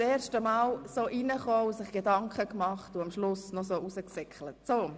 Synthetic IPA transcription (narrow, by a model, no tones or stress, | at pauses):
eːɾʃtəmɑːlsoːʔinəχɔːusɪχɡ̥edɑŋkχəkmɑχtʊɑmʃlʊsnɔsoːʔusəksɛkχlətsoː